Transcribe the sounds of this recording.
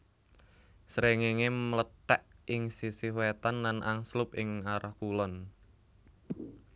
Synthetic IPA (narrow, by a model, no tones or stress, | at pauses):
sɾeŋeŋemələtɛʔʔɪŋsisihwet̪anlanʔa̰ŋslʊpɪŋaɾahkulɔn